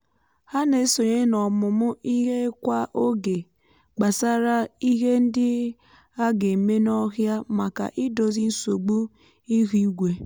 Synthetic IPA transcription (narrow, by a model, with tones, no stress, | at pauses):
ha˦ne˨˦so˨ɲe˦nɔ˨mʊ˨mʊ˦ʔi˦ɦe˦kʷa˦ʔo˦ɡe˨ | ɡ͡ba˨sa˦ɾa˦i˦ɦe˦n̩˦dɪ˦ | a˦ɡe˨me˦nɔ˦ɦja˦ma˨ka̰˨ʔɪ˦do˨zi˦n̩˦so˨ɡ͡bu˦ | i˦ɣu˦ɡʷe˨